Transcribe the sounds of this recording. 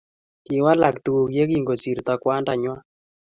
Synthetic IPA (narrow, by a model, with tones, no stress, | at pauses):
ki˨wa˦la˨kt̪u˨wo˨kje˦ɡi˦˨ŋɡo˨si˨ɾt̪a˨kwa˦nda˨ɲwa˦